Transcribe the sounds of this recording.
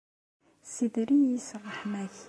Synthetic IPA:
sid̪ɾiisrˤːəħmæç

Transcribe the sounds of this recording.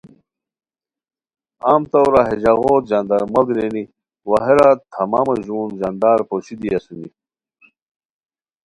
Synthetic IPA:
aːmt̪ɐwɾaɦeʑaɣoːt̪ʑaːnd̪aɾmɐlɡɾeni | wɐɦeɾat̪ʰɐmaːmɐʑuːnʑand̪aːɾpoɕid̪iɐsuni

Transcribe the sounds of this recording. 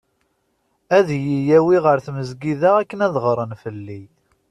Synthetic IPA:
æðjijæwiʁəɾθməzɡiðæækːənæðʁəɾˤənfəlːi

